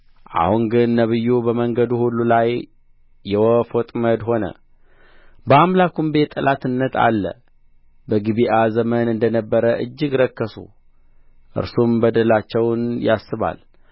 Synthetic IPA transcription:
ʔa̰huŋɡɨnːəβɨjːubəməŋɡəd̪uhulːulajː | ɛwɔfot̪ʼməd̪ho̞nə̰ | bəamlakumbe̞t̪ʼːəlʔat̪ɨnːət̪ʰa̰lːə̰ | bəɡɨβiʔazəmənɨnd̪ənəbːəɾəʔɨd͡ʒːɪɡɾəkːəsṵ | ʔɨ̰ɾsumbəd̪əlat͡ʃːɛwnjasːɨβa̰l

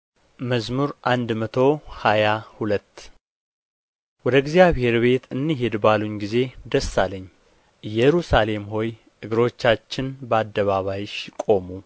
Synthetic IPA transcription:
məzmuɾʔand̪mət̪ʰo̞hajahulət̪ː | wɔd̪əɨɡzijaβhe̞ɾbe̞t̪ʰɨnːiɦed̪baluɲɡize̞d̪əsːaləɲː | ɨjːɛɾusale̞mho̞j | ʔɨɡɨɾo̞t͡ʃːat͡ʃːɪnbəad̪ːəβaβajɪʃkʼo̞mu

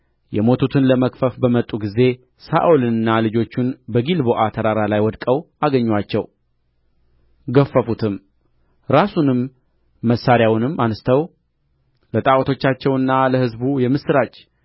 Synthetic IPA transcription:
jɛmo̞t̪ʰut̪ʰɨnləməkʼfəfbəmət̪ʼːuɡize̞ | sa̰ʔulɨnɨnːalɨd͡ʒo̞t͡ʃːunbəɡilbo̞ʔat̪ʰəɾaɾalajwɔd̪kʼəw | aɡəɲːwat͡ʃːɛw | ɡəfːəfut̪ʰɨm | ɾasunɨmː | əsːaɾjawnɨmːanst̪ʰəw | lət̪ʼawt̪ʰo̞t͡ʃːat͡ʃːɛwɨnːaləhɨzbujɛmɨsɨɾat͡ʃʼ

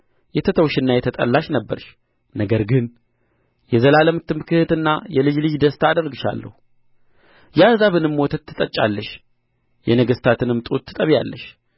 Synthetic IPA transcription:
jɛt̪ʰət̪ʰəwʃɨnːajɛt̪ʰət̪ʼə̰lːaʃnəbːəɾʃ | nəɡəɾɡɨn | jɛzəlaləmt̪ːɨmɨkʰɨhɨt̪ɨnːajɛlɨd͡ʒlɨd͡ʒd̪əst̪ʰaːd̪əɾɡɨʃa̰lːə̰hu | jazaβɨnɨmːwɔt̪ʰət̪ʰːɨt̪ʼət͡ʃʼːa̰lːəʃ | jɛnəɡəst̪ʰat̪ʰɨnɨmt̪ʼut̪ʰːɨt̪ʼəβja̰lːəʃ

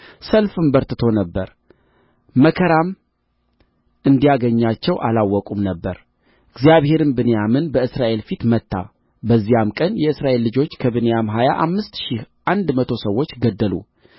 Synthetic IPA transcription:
səlfɨmbəɾt̪ɨt̪ʰo̞nəbːəɾ | məkʰəɾam | ʔɨnd̪ijaɡəɲːat͡ʃːɛwʔalawːɔkʼumnəbːəɾ | ɨɡzijaβhe̞ɾɨnbɨnejamɨnbəɨsɾaʔe̞lfit̪mət̪ːa̰ | bəzːijamkʼənjɛɨsɾaʔe̞lːɨd͡ʒo̞t͡ʃːkʰəβɨnejamɦaja̰ʔamːɨst̪ʃihʔand̪mət̪ʰo̞səwːo̞t͡ʃːɡəd̪ːəlṵ

